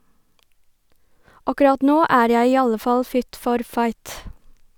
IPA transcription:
ˈɑkʉˌɾɑt ˈnoː ˈæːɾ ˈjæɪ ˈiː ˈɑlə ˈfɑl ˈfɪt ˈfɔɾ ˈfɑɪt

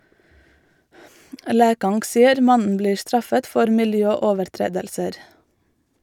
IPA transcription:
ˈlæːkɑŋɡ ˈsɪəɾ ˈmɑnən ˈbliː ˈstɹɑfət ˈfɔɾ mɪlˈjœˌoːʋəɾˌtɹeːdəlsəɾ

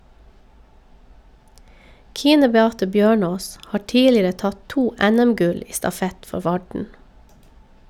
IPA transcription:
ˈkiːnə bɛˈɑːtə ˈbjøːˌɳoːs ˈhɑː ˈtiːlɪɾə ˈtɑt ˈtuː ˈɛˌnɛmˌɡʉl ˈiː stɑˈfɛt ˈfɔ ˈʋɑɖɳ

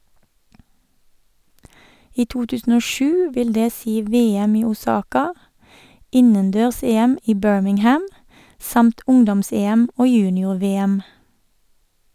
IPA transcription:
ˈiː ˈtuː ˈtʉːsn̩ ˈoː ˈʃʉː ˈʋɪl ˈdeː ˈsiː ˈʋeːˌɛm ˈiː ʊˈsɑːkɑ ˈɪnənˌdøːʁˈseːˌɛm ˈiː ˈbøːɹmɪŋˌhæm ˈsɑmt ˈʊŋdɔmˌseːɛm ˈoː ˈjʉːnɪʊʁˌʋeːɛm

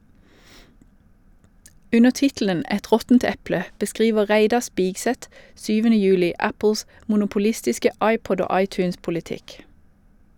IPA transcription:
ˈʉnəʁ ˈtɪtlən ˈɛt ˈʁɔtn̩t ˈɛplə bəˈskʁiːʋə ˈʁæɪdɑ ˈspɪɡsɛt ˈʃyːʋənə ˈjʉːlɪ ˈæpl̩s mʊnʊpʊˈlɪstɪskə ˈɑɪˌpɔd ˈoː ˈɑɪˌtʉːnspʊlɪˌtɪk

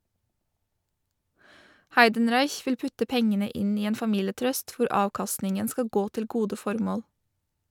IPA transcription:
ˈhæɪdənˌɾɑɪç ˈʋɪl ˈpʉtə ˈpɛŋənə ˈɪn ˈiː ˈeːn fɑˈmiːləˌtɾœst ˈʋʊɾ ˈɑːʋkɑstnɪŋən ˈskɑ ˈɡoː ˈtɪl ˈɡuːdə ˈfɔɾmoːl

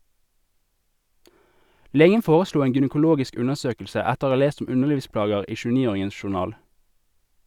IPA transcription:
ˈleːɡən ˈfoːʁəˌsluː ˈeːŋ ɡʏnəkʊˈloːɡɪsk ˈʉnəʁˌsøːkl̩sə ˈɛtəʁ ˈoː ˈɑː ˈleːst ˈʊm ˈʉnəʁˌliːʋˌsplɑːɡəʁ ˈiː ˌʃʉːˈniːˌoːʁɪŋən ʃʊʁˈnɑːl

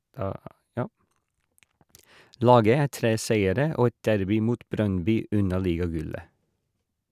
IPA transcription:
ˈlɑːɡə ˈæː ˈtɾeː ˈsæɪəɾə ˈoː ˈɛt ˈdæɾbɪ ˈmuːt ˈbɾœnˌbyː ˈʉnɑ ˈliːɡɑˌɡʉlə

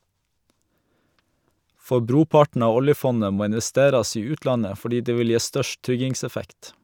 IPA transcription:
ˈfɔ ˈbɾuːˌpɑʈɳ̩ ˈɑː ˈɔljəˌfɔnə ˈmoː ɪnʋɛˈsteːɾɑs ˈiː ˈʉːtˌlɑnə fɔˈɖiː ˈdeː ˈʋɪl ˈjeː ˈstœʃʈ ˈtɾʏɡɪŋsɛˌfɛkt

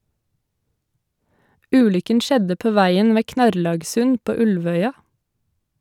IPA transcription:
ˈʉːlʏkən ˈʃɛdə ˈpoː ˈʋæɪən ˈʋeː ˈknɑɾlɑːɡsʉn ˈpoː ˈʉlʋœʏɑ

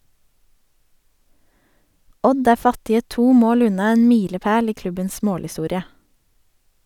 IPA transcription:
ˈɔd ˈæː ˈfɑtɪə ˈtuː ˈmoːl ˈʉnɑ ˈeːn ˈmiːləˌpeːl ˈiː ˈklʉbəns ˈmoːlhɪˌstuːɾɪə

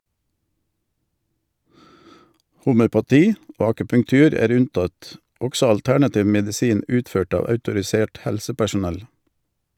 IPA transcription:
hʊmœpɑˈtiː ˈoː ɑkʉpʉŋˈtʉːɾ ˈæːɾ ˈʉnˌtɑt ˈɔɡsɔ ɑlˈtæɳɑˌtiːʋ mɛdɪˈsiːn ˈʉːtˌføːʈ ˈɑː ɑʉtʊɾɪˈseːʈ ˈhɛlsəpæʃʊˌnɛl

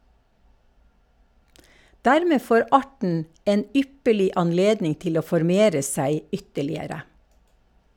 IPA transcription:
ˈdæɾˌmeː ˈfoːɾ ˈɑʈɳ̩ ˈeːn ˈʏpəɭɪ ɑnˈleːdnɪŋ ˈtɪl ˈoː fɔɾˈmeːɾə ˈsæɪ ˈʏtəɭɪəɾə

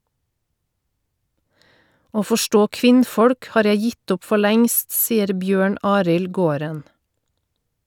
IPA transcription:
ˈoː fɔˈʃʈoː ˈkʋɪnˌfɔɽk ˈhɑːɾ ˈjæɪ ˈjɪt ˈʊp ˈfɔ ˈɭɛŋst ˈsiːəɾ ˈbjøːɳ ˈɑːɾɪl ˈɡoːɾən

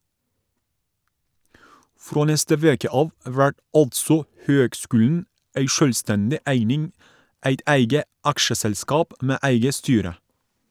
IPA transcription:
ˈfɾoː ˈnɛstə ˈʋeːkə ˈɑːʋ ˈʋæʈ ˈɑltsɔ ˈhøːɡˌskʉːln̩ ˈæɪ ˈʃœlˌstɛndɪ ˈæɪnɪŋ ˈæɪt ˈæɪɡə ˈɑkʃəsɛlˌskɑːp ˈmeː ˈæɪɡə ˈstyːɾə

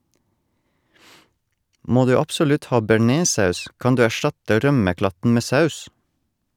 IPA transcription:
ˈmoː ˈdʉː ɑpsʊˈlʉt ˈhɑː bæˈɳeːˌsɑʉs ˈkɑn ˈdʉː æˈʃtɑtə ˈɾœməˌklɑtn̩ ˈmeː ˈsɑʉs

